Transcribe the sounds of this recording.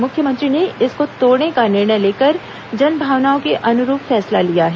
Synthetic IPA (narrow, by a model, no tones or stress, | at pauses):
mʊkʰjəmɐ̃nt̪ɾineɪskot̪oːɾnekanɪɾɽ̃əjleːkəɾ | d͡ʒɐnbʱaːʋnaːõkeʔɐnʊɾuːpfɛːslalijaɦɛː